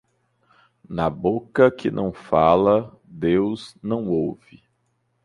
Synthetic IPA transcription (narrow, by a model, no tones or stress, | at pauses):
nɐbokɐkɪnʔɐ̰̃w̃falɐ | d̪ewznɐ̃w̃owvɪ